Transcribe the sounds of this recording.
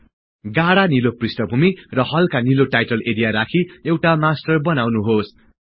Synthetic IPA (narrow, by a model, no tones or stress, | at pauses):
ɡaɽaniloprisʈʌbʱumirʌhʌlkaniloʈajʈʌleɽijaɾakʰiewʈamasʈʌrbʌnawnuɦos